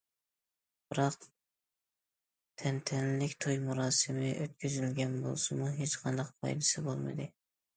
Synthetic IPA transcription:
b̥ɨɾɑq̚ | t̪ʰɛnt̪ʰɛnlɪkʲt̪ʰojmuɾɑːsɨmɪʔøt̪̚kʲʰyzylɡʲɛnbo̰lˠsɨmuɦet͡ʃqʰɑnd̪ɑq̚pʰɑ̰jd̪ɨsɨbolˠmɨ̰d̪ɨ

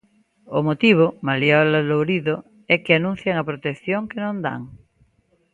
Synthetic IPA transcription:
omot̪iβ̞omaljɔlalowɾiðo | ɛkeanũn̟θjaŋapɾot̪ekθjõŋkenõnd̪a̰ŋ

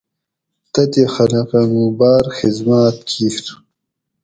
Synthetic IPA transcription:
t̪ɐt̪ixɐlɐqɐnũbaːɾxizmaːt̪̚kʰiːxt̪ʰu̥

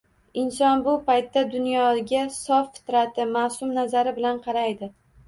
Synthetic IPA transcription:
ɪnsɒnbʊpajt̪ːad̪ʊnjɒɡʲasɒffɪ̥t̪ɾat̪ʰɪmasʊmnazaɾɪbɪlanqʰɑɾajd̪ɪ

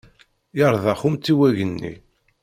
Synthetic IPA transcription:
ɑɾˤðɑχumt̪ːiwæʝənːḭ

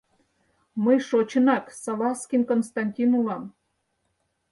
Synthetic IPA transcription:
məjʃot͡ɕə̆nɑksɑlɑskʲinkonst̪ɑnʲtʲinulɑm

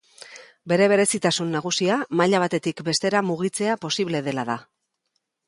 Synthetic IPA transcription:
be̞ɾe̞β̞e̞ɾe̞sit̪asunːaɣ̞usiamaʎaβ̞at̪e̞t̪ikbe̞st̪e̞ɾamuɣ̞it͡se̞apo̞siβle̞ð̞e̞laða

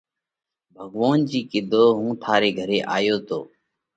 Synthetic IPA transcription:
bʱəɠʋoːnd͡ʒiːkɪd̪ʱoːɦũːt̪ʰaːɾeːɡʱəɾeːʔaːjoːt̪ʰo̰ː

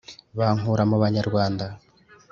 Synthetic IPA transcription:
βaːŋuɾamuβaɲaɾwaːnda

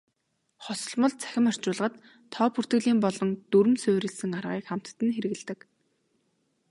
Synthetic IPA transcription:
χɔsɞ̆ɮmɞ̆ɮt͡sʰæ̥xʲɪ̆mar̥t͡ɕʊːɮʁə̆t̪ʰː | ɔːpʰur̥t̪ɡɘ̆ɮiːmpɔɮɞ̆nt̪uɾɘ̆msʊːɾʲɘ̆ɮsɘ̆ŋarʁiːkχam̥t̪ːɘ̆nxeɾɘ̆ɣ̆ɮt̪ɘ̆k

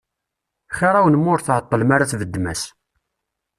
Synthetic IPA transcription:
χiɾˤawnmːʊɾθʕət̪ˤːəlmaɾaθvəd̪ːmæs

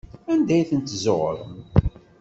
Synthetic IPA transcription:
ænd̪æjθənt̪zoʁɾˤəm

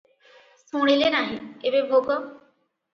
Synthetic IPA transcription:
sũɽ̃ilenaɦĩebebʱoɡɔ

